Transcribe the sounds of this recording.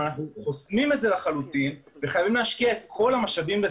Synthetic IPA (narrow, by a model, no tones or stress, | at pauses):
anaχnuχosmime̞tze̞laχalutin | veχajavimleaʃkiaet̪kʰo̞lamaʃavimbe